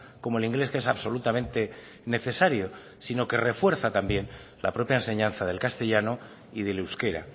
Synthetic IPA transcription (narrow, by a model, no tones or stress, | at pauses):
ko̞moeliŋɡle̞skesaβso̞lut̪amẽ̞nt̪e | ne̞θe̞saɾjo̞ | sino̞ke̞re̞fwe̞ɾθat̪ambje̞n | la̰pɾo̞pjaense̞ɲãn̟θað̞elkast̪e̞ʎano | iðe̞lewske̞ɾa̰